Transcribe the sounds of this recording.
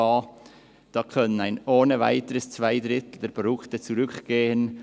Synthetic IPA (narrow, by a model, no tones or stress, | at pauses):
ɑː | d̥ɑːkʰœnənaɪnoːnəva̰ɪtəɾəst͡sv̥aɪdɾɪtl̩dɛːɐɾpodʊktət͡suɾʏkɡ̥eːən